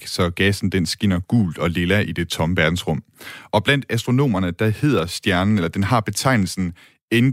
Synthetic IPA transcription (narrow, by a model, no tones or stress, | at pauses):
sɒ̽ɡ̥ɛsn̩d̥ensɡ̥en̰ɐɡ̥ṵːld̥ɒ̽le̝læʔid̥e̝t͡sʰɒ̽məʋæɐd̥n̩sʁɔ̽m̰ɒ̽b̥læn̰d̥æsd̥ʁo̝no̝̰ːmɐnəd̥ɑ̈he̝ð̞̰ˠɐsd̥jæɐnn̩elɐd̥enhɑ̈b̥e̝t͡sʰɑ̈ɪ̰nl̩sn̩ | en